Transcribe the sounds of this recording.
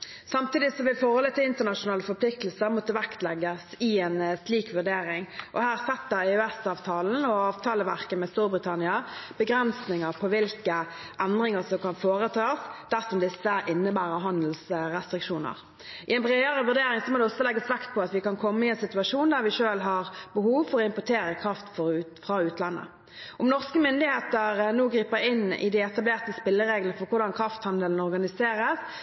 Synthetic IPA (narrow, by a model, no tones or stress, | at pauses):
sɑmt̪iːd̪ɪsɔʋɪlfɔɾhɔlət̪ʰɪlɪnt̪əʁnɑʃʊnɑːləfɔpʰlɪk̚t̪l̩səʁmɔt̪ːəʋækt̪lɛɡəsɪɛnsliːkʋʉʁd̪eːɾɪŋʔɔhæːʁsɛt̪ːəɾɛʉæsɑːʋt̪ʰɑːln̩ɔɑːʋt̪ʰɑːləʋæʁkəmɛst̪uːɾbɾɪt̪ʰɑnɪɑb̥əɡɾɛnsnɪŋəʁpʰɔʋɪlkə | ʔɛnd̪ʁɪŋəʁsɔmkɑnfoːʁət̪ʰɑːsd̪æʁsɔmd̪ɪsːəʔɪnːəbæːʁəɦɑnd̪l̩sɾɛst̪ɾɪkʃuːnə̰ʁ | ʔɪɛɪnbʁeːəɾəʋʉd̪eːɾɪŋsɔmoːd̪ɛɔsːɔlɛɡːəsʋɛkt̪̚pʰɔɑt̪ʋɪkɑnkʰɔmːəɪɛnsɪt̪ʉɑʂuːnd̪æʁʋɪʂøːlɦɑʁbəhuːʋfɔʁɔɪmpʊt̪ʰeːɾəkʰʁɑft̪fɔfʁɑʉːt̪lɑnːə̰ | ɔmnɔʁskəmʏnd̪ɪheːt̪əʁnoːɡɾiːpəɾɪnːɪ̰d̪ɪɛt̪ɑbleːʁt̪əspɪlːəɾeːɡlənəfɔʁkʊʁd̪ɑnkʰɾɑft̪hɑnd̪əln̩ɔɾʁɡɑnɪseːɾəs